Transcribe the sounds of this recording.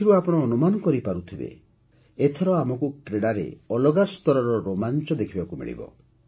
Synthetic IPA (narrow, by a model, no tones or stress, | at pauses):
ɾuapɔɽ̃ɔːnumanɔkɔɾipaɾut̪ʰibḛ | et̪ʰɔɾɔamɔkukɾeɽaɾḛɔlɔɡast̪ɔɾɔɾɔɾomant͡ʃɔd̪ekʰibakumḭɭḭbɔ̰